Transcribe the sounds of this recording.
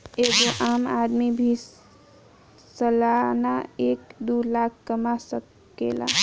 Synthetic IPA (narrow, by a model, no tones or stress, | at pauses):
eɡoʔamad̪mibʱi | səlanaekd̪ulakʰːəmasə | ḛla̰